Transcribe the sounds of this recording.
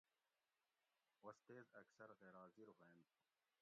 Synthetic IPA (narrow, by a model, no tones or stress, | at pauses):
wɐst̪eːzɐksɐɾɣeːɾɑːziɾɦeend̪